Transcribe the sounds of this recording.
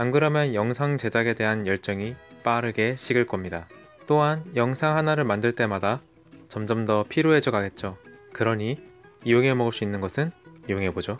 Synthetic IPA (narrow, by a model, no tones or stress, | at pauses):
anɡɯɾamjʌnjʌŋsʰaŋt͡ɕe̞d͡ʑaɡe̞de̞ɦanjʌɭt͡ɕ͈ʌŋip͈aɾɯɡe̞ɕʰiɡɯɭk͈ʌmɲida | t͈oɦanjʌŋsʰaŋɦanaɾɯɭmandɯɭt͈e̞mada | t͡ɕʌmd͡ʑʌmdʌpʰiɾjoɦe̞d͡ʑʌɡaɡe̞t̚t͡ɕ͈okɯɾʌɲiijoŋɦe̞mʌɡɯɭs͈uinːɯnɡʌsʰɯnijoŋɦe̞bod͡ʑo